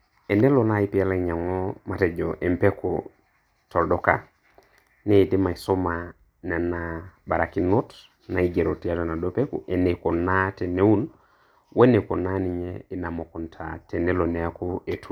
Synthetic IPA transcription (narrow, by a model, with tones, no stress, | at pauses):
e˨ne˦lo˨na˦i˦pi˦ɛ˦la˦˨ɲa˨ŋɔ˦ma˨tɛ˨d͡ʒɔ˨ʔe˨mpe˦kṵ | tɔ˨ldɔ˦ka˦ | ni˦˨di˦ma˨i˨so˦ma˨ | nɛ˨na˨ba˨ɾa˨ki˦no˦t | na˨i˨ɡe˨ɾo˨ti˦a˦tɔ˨na˨do˦pe˦kṵ˨ʔe˨ne˨ko˨na˦te˨ne˦u˦n | we˦ne˨ko˨na˦ni˨ɲɛ˦i˨na˨mɔ˨kɔ˨ntʰa̰˨te˨ne˦lo˨nɛ˦a˦ku˦e˨tʰu˦